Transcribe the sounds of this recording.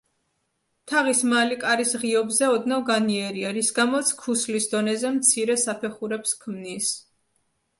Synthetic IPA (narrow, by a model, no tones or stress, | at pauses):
t̪ʰaʁismalikʼaɾisʁiɔbzɛɔd̪navɡaniɛɾiaɾisɡamɔt̪sʰkʰuslisd̪ɔnɛzɛmt̪sʰiɾɛsapʰɛχuɾɛpskʰmnis